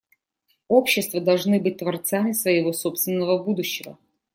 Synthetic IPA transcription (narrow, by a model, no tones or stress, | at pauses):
opɕːɪst̪vəd̪ɐlˠʐnɨbɨt̚ʲt̪vɐrt̪samʲɪsvəɪvo̞sopst̪vʲɪnːəvəbud̪ʊɕːɪvə̰